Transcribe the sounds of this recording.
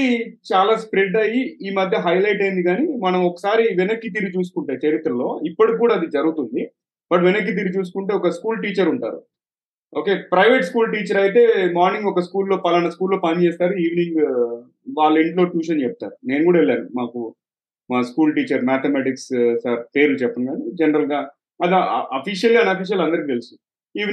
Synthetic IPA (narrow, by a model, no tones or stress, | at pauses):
it͡ʃaːlaːspɾeɖɐjiiːmɐd̪ʱjɐɦɐjlɐjʈɐjind̪iɡaːnimɐnɐmɔkɐ̥saːɾiʋenɐkːit̪̬iːɾit͡ʃuːs̬u̥kuɳʈaːjit͡ʃɐɾit̪ɾɐlo̞ːipːɐɽikuːɽaːd̪id͡ʒɐɾuɡut̪und̪i | bɐʈʋinɐk̬ːit̪̬iɾit͡ʃuːs̬u̥kuɳʈeːɔkɐskuːlʈiːt͡ʃɐɾuɳʈa̰ːɾṵ | o̞ːke̞ːpɾɐjʋeːʈskuːlʈiːt͡ʃɐɾɐjit̪e̞ːmaːɾniŋɡɔkɐskuːlːo̞ːpɐlɐnɐskuːlːoːpɐnt͡ʃeːst̪aːɾuiːʋniŋɡ | ʋaːɭːɐeɳʈlo̞ːʈjuːʃɐnt͡ʃɛp̚t̪a̰ːɾune̞ːnkuːɽaɛɭːaːnumaːku | maːskuːlʈiːt͡ʃɐɾmaːt̪ʰemaːʈikssaɾpe̞ːɾulut͡ʃɛpːɐnɡaːnid͡ʒɛnɐɾɐlɡaː | ɐd̪iɐpiʃɐlɡɐnɐpiːʃ̬jɐlɐnd̪ɐɾikit̪elisun | iːʋ